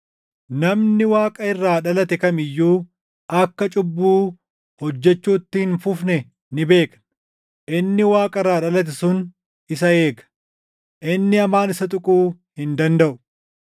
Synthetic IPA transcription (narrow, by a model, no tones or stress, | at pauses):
nɐmnɪwaːkʼɐɪrːaːᶑɐlɐt̪ɛkɐmɪjːuː | ɐkːɐt͡ʃʼʊbːuː | hɔd͡ʒːɛt͡ʃːuːt̪ːɪhɪnfʊfnɛ | nɪbe̞ːkɐ̥n | ʔɪnːɪwaːkʼɐɪrːaːᶑɐlɐt̪̬ɛsʊn | ɪsɐe̞ːkɐ̥ | ʔɪnːɪɐmaːnɪsɐt̪ʼʊkʼuː | hɪnd̪ɐnd̪ɐʔʊ̥